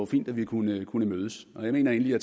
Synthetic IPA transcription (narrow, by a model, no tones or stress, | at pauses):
fḭːnd̥æʋikʰunəkʰunəmøːð̞ˠəsɒ̽jɑ̈me̝̰ːnɐe̝ːnəliæt͡sʰ